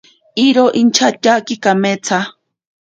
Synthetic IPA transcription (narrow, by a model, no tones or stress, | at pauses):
iɾoʔint͡ʃʰat͡ʃakikamet͡sʰa